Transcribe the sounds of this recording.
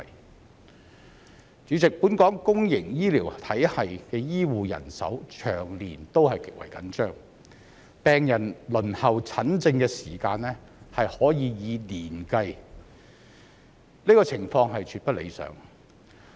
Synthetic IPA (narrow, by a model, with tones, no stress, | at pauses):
t͡ʃyː˨˥t͡sɪ˨k̚puː˨˥nkɔː˨˥ŋkʊ˥ŋjɪ˨˩ŋjiː˥liː˨˩wt̪ʰɐ˨˥jhɐ˨jkɛː˧jiː˥wuː˨jɐ̰˨˩nsɐ̰˨˥wt͡ʃʰœː˨˩ŋliː˨˩nt̪o˥whɐ˨jkɪ˨k̚wɐ̰˨˩jkɐ̰˨˥nt͡ʃœː˥ŋ | pɛː˨ŋjɐ˨˩nlɵ˨˩nhɐ˨˩wt͡sʰɐ˨˥nt͡sɪ˧ŋkɛː˧siː˨˩kaː˧nlɛː˥hɐ˨jhɔː˨˥jiː˨˧jiː˨˧liː˨˩nkɐ˧j | liː˥kɔː˧t͡sʰɪ˨˩ŋfɔː˧ŋɦɐ˨jt͡ʃʰyː˧t̚pɐ˥t̚lḛ˨˧jsœ̰ː˨˥ŋ